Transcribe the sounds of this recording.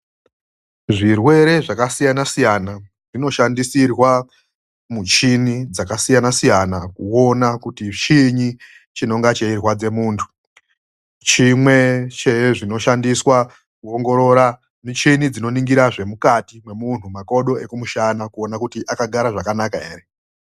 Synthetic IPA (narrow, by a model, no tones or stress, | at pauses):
ʐirwe̞ɾe̞ʐakasijanasijana | ʐ̥ino̞ʃandisirwa | mut͡ʃinid͡zakasijanasijanakuo̞nakutit͡ʃiɲi | t͡ʃino̞ŋɡat͡ʃeirwad͡ze̞muːntʰu̥ | t͡ʃimwe̞t͡ʃeʐino̞ʃandiswa | kuoŋɡo̞ɾo̞ɾa | mit͡ʃinid͡zino̞niŋɡiɾaʐe̞mukatimwe̞mun̤umako̞ɗo̞e̞kumuʃanakuo̞nakutiʔakaɡʱaɾaʐakanakae̞̰ːre